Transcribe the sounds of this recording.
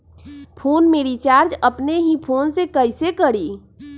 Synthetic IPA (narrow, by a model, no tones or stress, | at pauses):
pʰoːnmeɾit͡ʃaːɾd͡ʒəpneɦipʰoːnsekəɪsekəɽi